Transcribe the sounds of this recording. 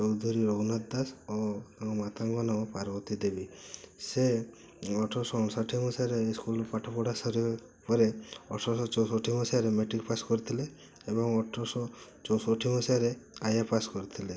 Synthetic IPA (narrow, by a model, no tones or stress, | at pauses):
t͡ʃɔwd̪ʱɔɾiɾoɡnat̪d̪asɔamat̪ʰaŋɡɔnɔpaɾbɔt̪id̪ebise | ɔʈʰɔɾsɔɔnsaʈʰimɔsaɾeskulpaʈʰɔpɔɽasɔɾi | pɔɾeɔʈʰɔsɔt͡ʃɔwsɔʈʰimɔsaɾemeʈikpaskɔɾit̪ʰileː | bɔŋɔʈʰɔsɔt͡ʃɔwsɔʈʰimɔsaɾeajapaskɔɾit̪ʰile